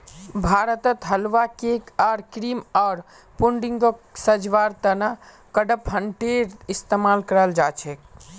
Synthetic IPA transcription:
bʱaɾət̪ət̪ɦəlʋakekaɾkɾimaːɾ | puɳɖiŋɡoksəd͡ʒʋaɾt̪əna | kəɖəpɦəɳʈeɾist̪emalkəɾəld͡ʒat͡ʃʰek

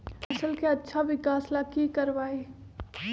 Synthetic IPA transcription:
ɐsəlkeɐtːʃʰaʋɪkaːslakikɐɾʋaːe

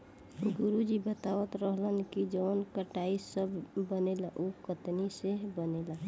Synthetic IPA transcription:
ɡuɾud͡ʒibət̪aʋət̪ɾəɦlənkid͡ʒənkəʈaisəbbənelaʔukət̪nisebənela

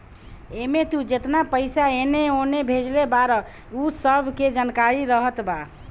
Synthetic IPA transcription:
emet̪ud͡ʒet̪napəɪsaeneonebʱed͡ʒlebaɾə | usəbʱked͡ʒankaɾiɾəɦət̪ba

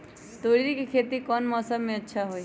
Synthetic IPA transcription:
t̪oːɽɾikekʰeːt̪ikɔːnmɔːsəmːẽɐtːʃʰaɦoi

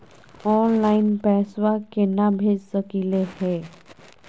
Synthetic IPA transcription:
ɔːnlaːɪnpɛːswakenabʱeːd͡ʒsəkilehɛː

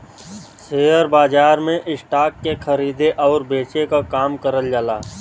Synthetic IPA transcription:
seːɦəɾbaːd͡ʒaːɾmẽʔɪsʈaːkːekʰəɾiːd̪eʔɔːɾbeːt͡ʃekakaːmkəɾəld͡ʒaːla̰ː

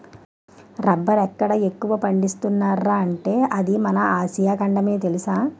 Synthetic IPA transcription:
ɾɐbːɐɾɛkːɐɽɐekːuʋɐpɐɳɖist̪unːaːɾːaːɐɳʈe̞ːʔɐd̪imɐnɐaːsijaːkɐɳɖɐme̞ːt̪e̞lisaː

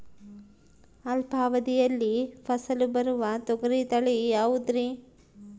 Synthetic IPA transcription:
ɐlbʱaːʋɐd̪ijɐlːipʰɐsɐlubɐɾuʋɐt̪ɔɡɐɾit̪ɐɭijaːʋud̪ɾi

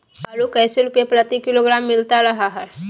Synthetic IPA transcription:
əɾukəjseɾupjepɾət̪ikiloɡɾamːilt̪aɾəɦaɦa

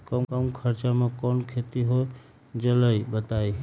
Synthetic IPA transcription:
kəmkəmkʰəɾt͡ʃamãkɔnkʰet̪iɦo | d͡ʒələibət̪ai

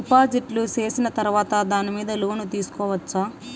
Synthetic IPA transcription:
ipaːd͡ʒiʈlut͡ʃe̞ːsinɐt̪ɐɾuʋaːt̪ɐd̪aːnimiːd̪ɐloːnut̪iːsu̥kɔːʋɐt͡ʃːaː

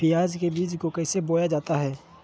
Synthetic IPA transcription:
ɪjaːd͡ʒkebiːd͡ʒkokɛːseboːjad͡ʒaːt̪aɦɛː

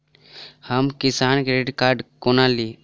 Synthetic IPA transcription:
həmkɪsaːnkeɾeɖkaːɾɖkonali

